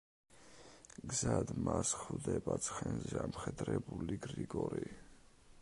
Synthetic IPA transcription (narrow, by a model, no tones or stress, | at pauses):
ɡzad̪masχvd̪ɛbat̪sʰχɛnzɛamχɛd̪ɾɛbuliɡɾiɡɔɾi